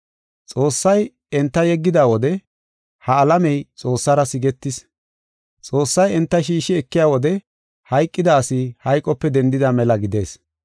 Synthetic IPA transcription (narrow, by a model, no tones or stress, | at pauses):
t͡sʼo̞ːsːɐj | ɛnt̪ːɐjɛɡːɪd̪aːwɔd̪ɛ | hɐːlɐmɛjt͡sʼo̞ːsːɐɾɐsɪɡɛt̪ːɪs | t͡sʼo̞ːsːɐjɛnt̪ːɐʃ̬iːʃɪɛkːɪjaːwɔd̪ɛ | hɐjkʼːɪd̪aːsɪhɐjkʼːɔpːɛd̪ɛnd̪ɪd̪amɛlɐɡɪd̪e̞ːs